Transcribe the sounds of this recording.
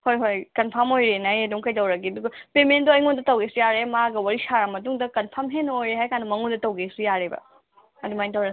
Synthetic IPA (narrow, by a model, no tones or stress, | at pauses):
hojɦojkɐnpʰɐɾmojɾenɐjedumkɐjtɐwɾɐɡiɐduɡɐpemend̪ɔɐjŋond̪ɐtɐwɡesijaɾemaɡɐwɐɾisaɾamɐtuŋdɐkɐnpʰɐɾmɦenojɾeɦajkãnumɐŋud̪ɐtɐwɡesijaɾebɐ̰ | ɐd̪umajntɐwɾɐ